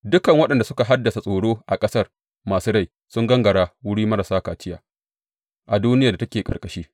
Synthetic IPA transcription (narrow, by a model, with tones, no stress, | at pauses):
dʊ˦kɐ˨ŋwɐ˦ɗɐ˨nda˨sʊ˦ka˨ɦa˦dːɐ˨sa˨sʼoː˨ɽoː˦ʔa˨kʼɐ˦sɐ˦˨r | maː˨suː˦ɽa˦˨j | sʊ˦ŋɡɐ˦ŋɡɐ˨ɽaː˦wʊ˦ɽiː˦mɐ˦ɾa˨saː˦kaː˨t͡ʃɪ˦ja̰ː˨ | ʔa˨duː˦nɪ˦ja˨da˨tɐ˦kʲeː˨kʼɐ˨kʼɐ˦ʃiː˦